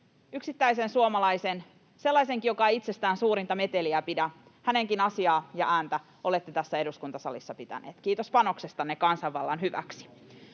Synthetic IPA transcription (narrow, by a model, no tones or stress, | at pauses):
yksit̪ːæisensuomɑlɑisen | se̞lːɑise̞ŋkijokɑeit̪se̞st̪æːnsuːɾint̪ɑme̞t̪e̞liæpidæ | hæne̞ŋkinɑsiɑːjɑ̰ʔæːnt̪æ | o̞le̞t̪ːet̪æsːæe̞duskunt̪ɑsɑlisːɑpit̪æ̰nḛːt̪kiːt̪o̞spɑno̞kse̞st̪ɑnːekɑnsɑʋːɑlːɑnɦyʋæ̰ksi̥